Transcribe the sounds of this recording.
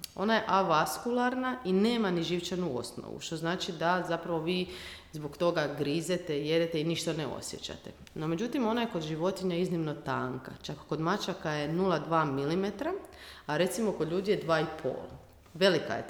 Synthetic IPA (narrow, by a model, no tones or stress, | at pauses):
o̞̰naje̞ʔaʋaskulˠaɾnaine̞ːmaniʒiʋt͡ʃanuo̰sno̰ʋṵʃt̪o̞znaːt͡ʃid̪azapɾaʋo̞ʋiːzbokt̪o̞ɡaɡɾizet̪e̞je̞d̪et̪einiʃt̪aneo̞̰sje̞̰t͡ɕa̰t̪e | no̞me̞d͡ʒut̪imo̞najeko̞d̪ʒiʋo̞t̪iɲaiznimno̞t̪aːŋka̰t͡ʃakkːo̞d̪mat͡ʃakaje̞nulˠad̪ʋaːmilime̞t̪ɾaaɾe̞t̪simo̞kod̪ʎuːd̪ijed̪ʋaːipʰo̰ːlˠ | ʋe̞lika̰jḛ